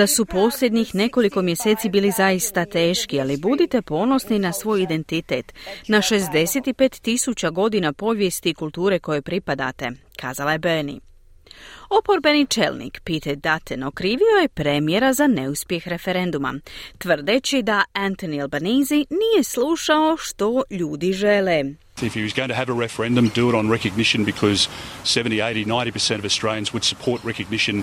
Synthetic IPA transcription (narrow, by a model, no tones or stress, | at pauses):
d̪asupo̞slʲʎʲjed̪ɲixne̞ko̞liko̞mje̞se̞ːt̪sibiːlizajist̪at̪e̞ːʃkialibud̪it̪e̞po̞ːno̞sninasʋo̞ːjid̪e̞nt̪it̪e̞̰t̪naʃe̞zd̪e̞se̞t̪ipet̪ːisut͡ɕaɡo̞d̪inapo̞ʋje̞st̪ikulˠt̪uːɾe̞ko̞je̞pɾipad̪a̰t̪e̞̰kʰa̰ːzalaje̞bənḭ | o̞po̞ɾbe̞nit͡ʃḛlˠnḭːkpit̪ed̪at̪eno̞kɾiːʋio̞je̞pɾemjeɾazane̞uspje̞xɾe̞feɾe̞nd̪uma̰t̪ʋr̩d̪et͡ɕid̪aant̪onialˠbaniːzinije̞sluːʃao̞ʃt̪o̞ʎuːd̪iʒe̞le | ɪfhiwʌzɡoʊɪ̃ŋtɨːvəɹɛfə˞ɛ̃ndɨ̃mdɪlˠɾn̩ɹɛkɨɡ̚nɪʃɨ̃nbɨkʰʌz̥sɛvn̩tieɪɾinãɪ̃ntipʰə˞sɛ̃ɾ̃ʌvɨstɹ̥eɪjə̃nzwəd̥sə̥pʰɔɹt̚ɹɛkɨɡ̚nɪʃɨ̃n